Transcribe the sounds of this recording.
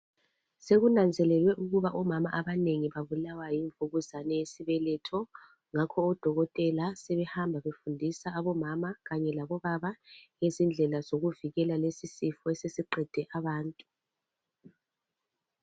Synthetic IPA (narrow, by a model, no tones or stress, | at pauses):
seɣunand͡zʱɛlɛlwɛʔuɣuβaʔɔmama̰ʔaβaneŋiβaβulawajiɱvuɣuzanɛjesiβɛlɛtʰɔ | ŋakʰɔːd̥ʱɔɣɔtʼɛlasɛβɛhambʱaβefundʱisaːβɔmamaɣaɲɛlaβɔβaβaŋezind͡ɮʱɛlazoɣuviɣɛlalesisifɔesesiǃɛd̥ʱɛʔaβaːntʼu